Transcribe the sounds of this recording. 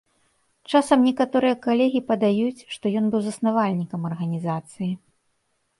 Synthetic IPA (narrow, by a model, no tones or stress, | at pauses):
t͡ʂasɐmnʲɛkat̪ɔɾɨjɐkalʲɛɣʲipɐd̪ajut͡sʲʂt̪ɔjɔnbɨwzɐsnavalʲnʲikɐmɐrɣɐnʲizat̪sɨji